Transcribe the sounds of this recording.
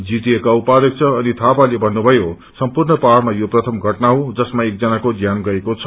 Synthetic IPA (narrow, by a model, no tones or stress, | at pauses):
d͡zit̪iekaupad̪ʌk̚t͡sʰʌːnit̪ʰapalebʱʌnːubʱʌjo | sʌmpurnʌpaɽmajoprʌt̪ʰʌmɡʱʌʈnaɦod͡zʌsmaek̚d͡zʌnakoɡjanɡʌekot͡sʰʌ̥